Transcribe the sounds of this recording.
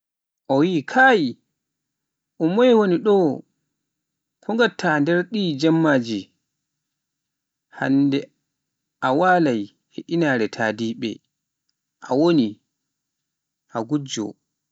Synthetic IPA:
ʔɔwiːkʰaːji | ʔɔmɔjwoniɗɔ | kʰɔŋɡatːandɛɾɗiːd͡ʒamːaːd͡ʒi | ha̰ndɛ | ʔawalaj | heʔinaɾɛtʰaːdiːɓɛ̰ | ʔawoni | ʔaɡud͡ʒɔ̰

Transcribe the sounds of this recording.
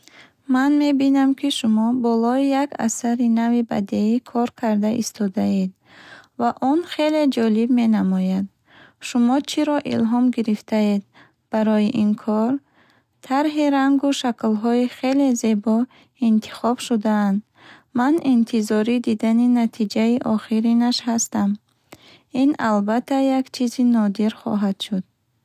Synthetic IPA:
manme̞binamkʰiʃumɔbɔlɔijaka̰saɾinaviba̰d̪eikʰɔɾkʰaɾd̪aʔist̪ʰɔd̪aed̪ | vaʔɔnχe̞le̞d͡ʒɔlibme̞namɔjad̪ | ʃumɔt͡ʃʰiɾɔʔḭlɦɔmɡiɾift̪ʰaed̪ | b̥aɾɔjiʔinkʰɔɾ | t̪ʰaɾɦiɾaŋɡuʃaklɦɔiχe̞le̞ze̞bɔ | int̪ʰi̥χɔb̥ʃud̪aːnd̪ | manint̪ʰizɔɾid̪id̪aninat̪ʰid͡ʒaiʔɔχiɾinaʃɦast̪am | inalbat̪ʰːajakt͡ʃʰizinɔd̪iɾχɔ̰ɦad̪̥ʃud̪̥

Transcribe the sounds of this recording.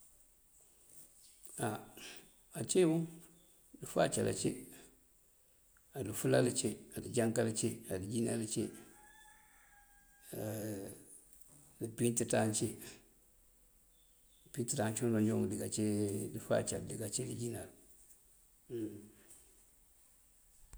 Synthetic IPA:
a | at͡ʃewu | difa̰t͡ʃa̰lʔa̰t͡ʃḛ | alifulalit͡ʃeadid͡ʒaŋkalit͡ʃeadid͡ʒinalit͡ʃe | lipintitant͡ʃe | pintitant͡ʃodond͡ʒomdiɡat͡ʃedifa̰t͡ʃaldiɡat͡ʃedid͡ʒinal

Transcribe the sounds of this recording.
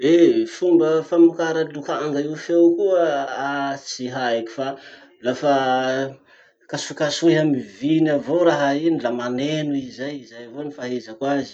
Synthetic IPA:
efumbəfamukaɾəlukaŋɡaifewkuəat͡siɦaeku̥fa | lafa | kasukasueɦamivinavoɾaɦainilamanenuizajizajvonifaɦezəkwazi̥

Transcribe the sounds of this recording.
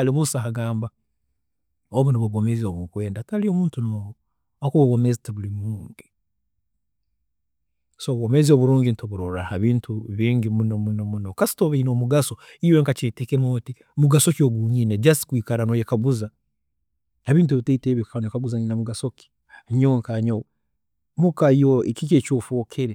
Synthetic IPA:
aliβusaɦaɡaːmba | oβunoβuɡomezioβukwe̞ːndatalio̞muːntuno | okuβuβomezitiβulimuːŋɡi | soβomezio̞βuɾuːŋɡinitoβuɾoɾahaβiːntʰuβiːɲɟimunomunomunokasi̥toβiino̞ːmuɡaso̞ | iweŋkat͡ʃetekemoti | muɡasokioɡuɲinedjasi̥kwiːkaɾanojekaβuza | aβiːnt̬ueβiteiteβikaanojekaβuzaninamuɡasoki̥ | ɲoŋkaɲow | mukajoekiket͡ʃoːfoːkʰeɾe

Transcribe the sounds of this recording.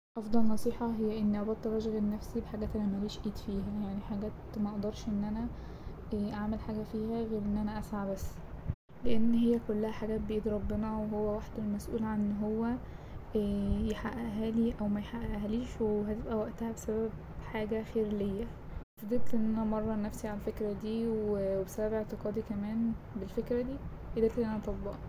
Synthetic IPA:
ʔɑfd̪ˤɑlnɑsˤiːħɑɦejːæʔenːʔæbæt̪t̪ːæɾæʒɣennːæfsibeħaɡæːt̪ʔænæmæliːʃʔiːd̪fiːɦæjaʕniħaɡæːt̪mæʔɑʔd̪ɑɾˤʃʔenːʔænæ | ʔaʕmelħaːɡæfiːhæɣeːɾʔenːʔænæʔæsʕabæsː | leʔenːɦejːækolːæhæħaɡæːt̪̚beʔiːd̪ɾˤɑbːenɑweɦowːæwaħd̪elmæsʔṵːlʕanenːɦowːæ | jeħaʔæʔæɦæːliʔæwmæjħaʔæʔæhæliːʃweeɦæt̪ebʔæwæʔt̪æhæbesæbæb̚ | ħaːɡæxeːɾlejːæ | fed̪eːt̪leʔenːʔænæmɑrˤːɑnæfsiʕalælfekɾæd̪iːwweebesæbæbeʕt̪eqɑːd̪ikæmæːn | belfekɾæd̪iː | ʔed̪eːt̪leʔnʔænæʔɑt̪ˤɑbːɑ̰ʔɑ

